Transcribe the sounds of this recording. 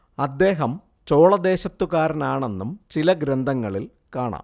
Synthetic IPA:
ɐd̪ːe̞ːɦɐm | t͡ɕo̞ːɭɐd̪e̞ːɕɐt̪ːukaːɾɐnaːɳe̞nːumt͡ɕilɐɡɾend̪ʱɐŋːɐɭil | kaːɳa̰ːm

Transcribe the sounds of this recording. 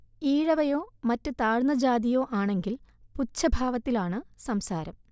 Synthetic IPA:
iːɻɐʋɐjoːmɐtːɨt̪aːɻnɐd͡ʑaːðijo̞ːʔaːɳe̞ŋɡilput͡ɕːɐbʱaːʋɐt̪ːilaːɳɨsɐmsaːɾɐm

